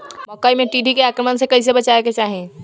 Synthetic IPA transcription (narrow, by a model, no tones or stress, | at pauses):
məkəjmeʈiɖʱikeakɾəmənsẽkəjs̬ebət͡ʃaeket͡ʃaɦi